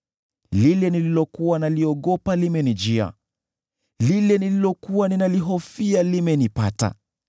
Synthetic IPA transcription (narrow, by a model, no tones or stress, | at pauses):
lilɛnililɔkuwanaliɔɠɔpalimɛnid͡ʒia̰ | lilɛnililɔkuwaninaliɦɔfialimɛnipata̰